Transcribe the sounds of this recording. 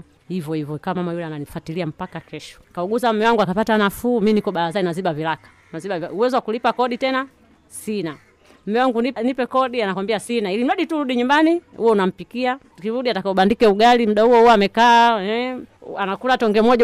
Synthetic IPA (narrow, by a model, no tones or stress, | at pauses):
hivjɔhivɔkawamamajulananifwatiliam̩pakakɛʃɔ̥kauɡuzam̩mɛwaŋɡuakapatanafuːminikɔɓalazainaziɓavilakḁ | naziɓauwɛziwakulipakɔɗitɛna | sina | m̩mɛwaŋɡuninipɛkɔɗianakwambiasinailim̩laɗituɾuɗiɲumbanihuwɔunam̩pikia | kiɾuɗiatakauɓandikɛuɡalim̩ɗahuwɔhuamɛkaɛanakulatɔŋɡɛmɔʄ